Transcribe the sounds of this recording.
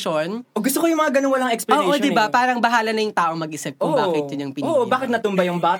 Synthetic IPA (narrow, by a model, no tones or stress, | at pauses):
ʃonoɡʊst̪okojʊŋmɐŋaɡɐnoŋwɐlaŋɛksploːʔodd̪ɪbapaːɾɐŋbɐɦaːlɐnɐjʊŋt̪aːʔomɐɡ̚ʔɪsɛb̚kʔʊːkɪt̪̚jʊɲɐŋpɪnoːʔobbaːkɪt̪nɐt̪ʊmbajʊŋbat̪